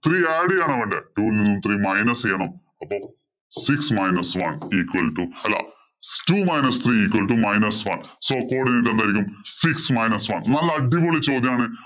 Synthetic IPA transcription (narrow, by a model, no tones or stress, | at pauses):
t̪riːaːɽijaːɳɐʋɐɳɖeʈuːlinːumt̪riːmɐjnɐsejːɐɳɐm | ɐpːoː | siksmɐjnɐsʋɐ̰niːkwɐlʈːuɐlːɐ̰ | tumɐjnɐst̪ʰriːiːkwɐlʈumɐjnɐsʋɐ̰nsoːkoːrɽineʈ̬ːend̪aːjiɾikʲːumsiksmɐjnɐsʋɐ̰nnɐlːɐɐɖːipoːɭit͡ɕːo̞ːd̪jɐmaːɳɨ